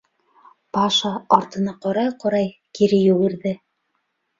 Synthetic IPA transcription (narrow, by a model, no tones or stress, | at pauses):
pɑʃɑːɾt̪ɤ̆nɑqɑɾɑjqŏɾɑjkiɾɘjʉ̆ɡɘ̆ɾðɘ